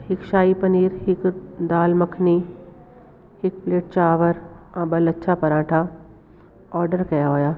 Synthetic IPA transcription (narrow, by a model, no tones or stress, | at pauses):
hɪkʃaːipɐniːɾhɪkd̪aːlmɐkʰni | hɪk̚pleːʈ̚t͡ʃaːʋəɾãːbəlɐtːʃʰapɐɾãːʈʰa | ɔːɾɖəɾkɐjaɦoːjaː